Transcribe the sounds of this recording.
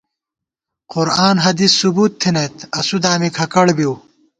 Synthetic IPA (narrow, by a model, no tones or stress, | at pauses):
qʊɾaːnɦɐd̪isːubuːt̪ʰːinɐt̪ɐsud̪aːmikʰɐkɐɽbiw